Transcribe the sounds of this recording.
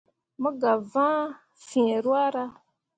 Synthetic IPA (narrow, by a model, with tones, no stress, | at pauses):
mə˦ɡa˨vã˦ | fĩ˨ɾwa˦ɾa˦